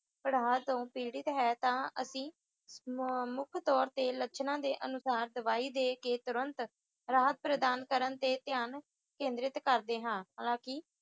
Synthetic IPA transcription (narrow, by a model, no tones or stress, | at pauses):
pəɽaːat̪õːpiːɽɪt̪ɦɛːt̪ãːəsĩː | mʊkʰt̪ɔːɾt̪eːlət͡ʃʰnãːd̪eːʔənʊsaːɾd̪əʋaːiːd̪eːkeːt̪ʊɾənt̪ | ɾaːɦət̪̚pɾəd̪aːnkəɾənt̪eːt̪jaːn | kẽːnd̪ɾɪt̪kəɾd̪eːɦãːɦaːlãːkɪː